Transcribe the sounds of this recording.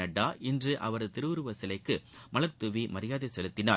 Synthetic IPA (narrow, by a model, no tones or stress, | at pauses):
ɐɖːaːʔɪndrɯʔɐ̰ʋɐɾt̪ɪɾɯʋɯɾɯʋɐsɪlɐɪkːɯmɐlɐɾt̪ɯʋimɐɾɪjaːðɐɪsɛlɯt̪ːɪnaː